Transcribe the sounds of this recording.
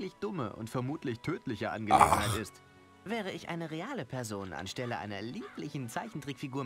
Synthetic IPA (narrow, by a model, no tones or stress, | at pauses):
lɪçd̥ʊmə̰ʔʊ̰ntfɛɐmuːtʰlɪçtʰøːtʰlɪçəʔa̰nɡəlḛːɡn̩haɪtɪst | vɛːʁ̞əɪçʔa̰ɪnəʁeaːləpʰɛɐzoːna̰nʃtɛləʔa̰ɪnɐliːplɪçn̩t͡saɪçn̩tʁ̥ikfiɡuːɐ